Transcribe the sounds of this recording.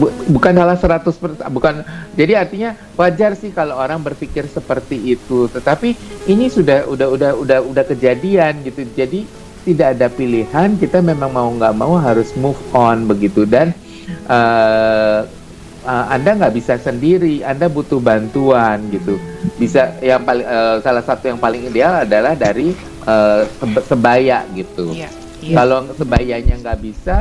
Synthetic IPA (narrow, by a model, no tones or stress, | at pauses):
bukansalahsəɾat̪ʊspərabukand͡ʒadiart̪iɲa | wad͡ʒarsɪhkalooɾaŋbərfikɪrsəpərt̪iit̪ut̪ət̪apiinisudahudaɦudahudahudahkəd͡ʒadianɡit̪ud͡ʒadi | t̪idaːdapilihankit̪amemaŋmauŋɡaʔmauɦaɾʊsmufɔnbəɡit̪udan | ʔə | əandaŋɡaʔbisasəndiɾiandabut̪ʊhbant̪uanɡit̪ubisajaŋpalɪŋəsalahsat̪ujaŋpalɪŋidealadalahdaɾi | ʔəːsbsəbajaʔɡit̪u | kalosəbajaʔɲaŋɡaʔbisa